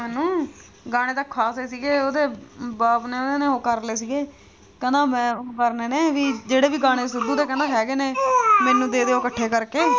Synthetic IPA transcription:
mɛːnũː | ɡaːɽ̃eːt̪əkʰːaːseːsiːɡeːoːd̪eːbaːpneːoːd̪eːneːoːkəɾleːsiːɡeː | kɛ̃ːnd̪ãːmɛ̃ːkəɾneːneːʋiːd͡ʒeːɽeːbiːɡaːɽ̃eːsʊd̪uːt̪eːkɛ̃nd̪aːɦɛːɡeːneːmɛ̃ːnũːd̪eːd̪eːoːkəʈʰːeːkəɾkeː

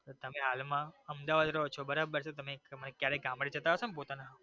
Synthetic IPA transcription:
t̪ot̪əmeɦalmãəmd̪aʋad̪ɾəɦot͡ʃʰobəɾabəɾt͡ʃʰet̪əmemənekjaɾeɡãmbɽid͡ʒət̪aɦəʃonep̬ot̪ana

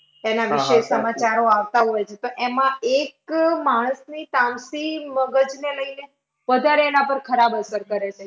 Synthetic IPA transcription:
enaʋiʃesəmat͡ʃaɾoaʋt̪aɦɔjt͡ʃʰet̪oʔemãekmaɽ̃əsnit̪ãmsiməɡəd͡ʒneləine | ʋəd̪ʱaɾeːnãpəɾkʰəɾabəsəɾkəɾet͡ʃʰe

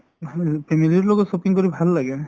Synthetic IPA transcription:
pʰemililɔɡɔtsopiŋkoɹibʱalːaɡɛ

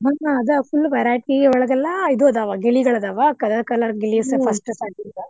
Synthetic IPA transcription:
ɦɐnaɐd̪ɐfulːbɐjɾaːjʈ̚keːɡeɔɭɐɡɐlːɐid̪uɐd̪aːʋaɡeɭiɡɐɭɐd̪aːʋakɐd̪ɐd̪ɐkɐlɐɾɡelisepʰɐsʈɐsaʈid̪ɐ

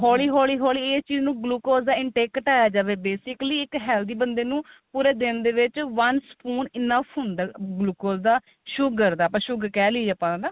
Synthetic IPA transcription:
ɦɔːliːɦɔːliːɦɔːliːeːst͡ʃiːznũːɡluːkoːzd̪aːɪɳʈeːkʈaːjaːd͡ʒaːʋeːbeːsɪkliːɪkɦɛːld̪iːbənd̪eːnũː | puːɾeːd̪ɪnd̪eːʋɪt͡ʃʋənspuːnɪnəpɦʊnd̪aːɡluːkoːld̪aː | ʃʊɡəɾd̪aːpãːʃʊɡkɛːliːd͡ʒapãːãd̪aː

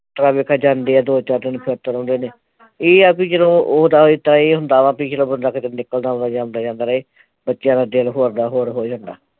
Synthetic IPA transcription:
t̪əɾaːbeːkʰaːd͡ʒãːnd̪eːɛːd̪oːt͡ʃaːɾd̪ɪnpʰeːt̪əɾõːnd̪eːneː | eːapĩːd͡ʒəlõːoːd̪aːɦoːiːt̪ãːeːɦʊnd̪aːʋãːpiːd͡ʒəlõːbənd̪aːkət̪nɪkːəld̪aːʊ̃d̪aːd͡ʒãːnd̪aːd͡ʒãːnd̪aːɾəeː | bətːʃjãːd̪aːdɪlɦoːɾd̪aːɦoːɾɦoːd͡ʒãːnd̪a̰ː

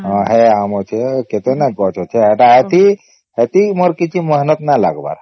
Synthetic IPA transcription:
ɦɔ̃ɦeamot͡ʃʰeket̪enaɡɔt͡ʃʰot͡ʃʰeɦeʈaɦet̪i | ɦet̪imɔɾkit͡ʃʰiməɦnət̪nala̰ɡba̰ɾ

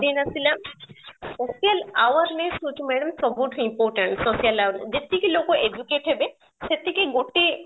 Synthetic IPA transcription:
d̪inasilamsosijalawəɾnesut͡ʃʰumɛɽəmsɔbuʈʰimpoɾʈəɳʈsosijɐlawɾnḛd͡ʒet̪ikilokoʔed͡ʒukeʈɦebe | set̪ːikeɡoʈːi

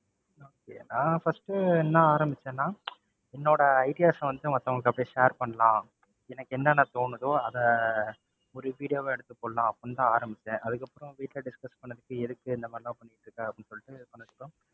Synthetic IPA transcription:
oːkḛːnãːfɐsʈɯɛnːɐ̃aːɾɐmbɪt͡ʃːẽːnãː | ɛnːoːɽɐːɪʈɪjaːsɐʋɐnd̪ɯmɐt̪ːɐʋɐŋɡɭɐkːɐpːɐɽĩʃeːɾpɐɳːɐlãː | ɛnɐkːɯɛnːɐnɐt̪oːɳɯðoːɐðɛ | ɔɾɯʋiːɽɪjoːʋeɛɽɯt̪ːɯpːoːlɐlãːɐpːɽɯnt̪ãːaːɾɐmbɪt͡ʃːẽːʔɐðɯkːɐpːɯɾɔ̃ʋiːʈːlɐɖɪskɐspɐɳːɐðɯkːɯɛðɯkːɯɛnd̪ɐmaːɾɪlãːpɐɳːɪjɪʈːɾɯkːaːɐpːɽɪinːɯsɔlːɪʈːɯpɐɳːɐðɯkːõ

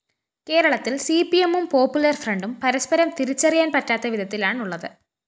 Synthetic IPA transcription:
ke̞ːɾɐɭɐt̪ːilsipiemːumpoːpːjulɐrfrɐɳɖumpɐɾɐspɐɾɐmt̪iɾit͡ɕːɐrijaːnpɐʈːaːt̪ːɐʋiðʱɐt̪ːilaːɳuɭːɐðɨ

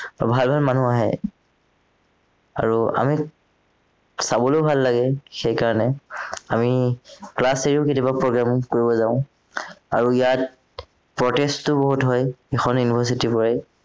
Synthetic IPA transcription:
bʱalbʱalmanuaɦɛ̰ | a̰ɹua̰mi | sabɔlobʱalːaɡɛxejkaɹɔnɛamiklaseɹiʊketjɔbapɹɔɡɹamkoɹibɔzaʊ̃ | a̰ɹuijat̚ | pɹɔtestːʊboɦutɦɔjexʰɔnjunibʰʱas̬itipɔɹɛ

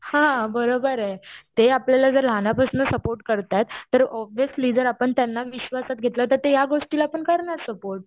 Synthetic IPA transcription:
hãbəɾobəɾat̪eapljalad͡zəɾlanjapasənəsəpoɾʈkəɾt̪at̪ːəɾɔbjəsliːdəɾapəɳt̪janːaʋiɕʋasat̪̚ɡʱet̪lət̪əɾt̪ejaɡoʂʈilaːpəɳkəɾɳaɾsəpoɾʈ̚

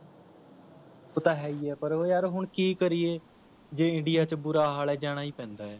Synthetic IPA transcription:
oːt̪aːɦɛːiːɛːpəɾoːjaːɾɦʊɳkiːkəɾieː | d͡ʒeːɪ̃ɳɖɪjaːt͡ʃəbʊɾaːɦaːlɛːd͡ʒaːɽ̃aːiːpɛ̃ːnd̪aːɛː

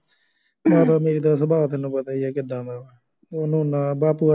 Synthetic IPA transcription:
ʋãːt̪aːmeːɾiːd̪aːsəbaːʋt̪enũːpət̪aːiɛːkɪd̪ãːnd̪aːɛː | onũːnãːbaːpuːa

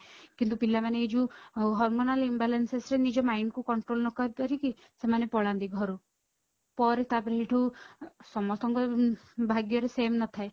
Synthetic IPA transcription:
kint̪upilamaneid͡ʒuɦɔɾmonalimbalensesɾenid͡ʒɔmajɳɖkukɔɳʈɾolnɔkɔɾipaɾiki | semanepɔɭand̪iɡʱɔɾu | pɔɾet̪apɾeɦiʈʰusɔmɔst̪ɔŋkɔbʱaɡjɔɾesemnɔt̪ʰae

